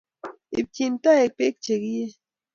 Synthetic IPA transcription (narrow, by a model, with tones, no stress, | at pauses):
i˨b̚ci˨nt̪a˦e˨k̚pe˦k̚t͡ʃe˨ɡi˦je˦